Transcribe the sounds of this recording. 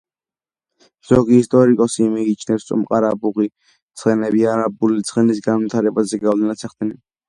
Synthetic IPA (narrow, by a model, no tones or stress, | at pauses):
z̥ɔɡiːst̪ʼɔɾikʼɔsimiːt͡ʃʰnɛpssʼṵmqʼaɾabuʁi | t̪sʰχɛnɛbiaɾabulit̪sʰχɛnisɡanvit̪ʰaɾɛbazɛɡawlɛnat̪sʰɛχd̪nɛn